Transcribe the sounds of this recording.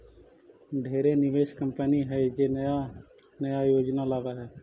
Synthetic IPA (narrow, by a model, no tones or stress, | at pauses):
ɖʱeːɾeːnɪʋeːʃkəmpəniːɦɛːd͡ʒeːja | nəjaːjoːd͡ʒnaːlaːʋaːɦɛː